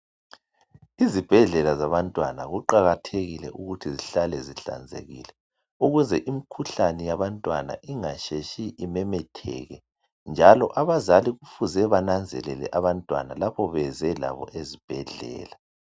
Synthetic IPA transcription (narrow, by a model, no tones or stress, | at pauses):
izib̥ʱɛɮɛlazaβantʼwanaɣuǃaɣatʰeɣilɛʔuɣutʰiziɬalɛziɬa̰nd͡zʱḛɣḭlɛ | uɣuzɛʔimikʰuɬanɛjaβantʼwana̰ʔiŋaʃeʃiʔimɛmɛtʰɛ̰ɣɛ | nd͡ʒʱalɔʔaβazaliɣufuzɛβanand͡zʱɛlɛlɛ̰ʔaβantʼwa̰nalapʰɔβɛzɛla̰βɔ̰ʔezib̥ʱɛɮɛ̰ːla